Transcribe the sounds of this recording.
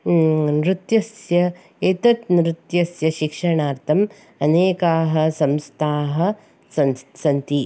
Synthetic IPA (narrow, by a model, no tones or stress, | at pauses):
nɾɪt̪jɐsjɐ | et̪ɐt̪nɾɪt̪jɐsjɐʃikʂɐɳaːɾt̪ʰɐm | ɐneːkaːɦɐ̆sɐmst̪ʰaːɦɐ̆ | sɐsɐnt̪i